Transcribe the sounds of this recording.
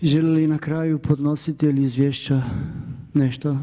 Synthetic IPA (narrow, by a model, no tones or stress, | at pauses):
ʒelilinakɾaːjupʰod̪nosit̪iiliːzʋjeːʃt͡ʃa | nɛʃt̪o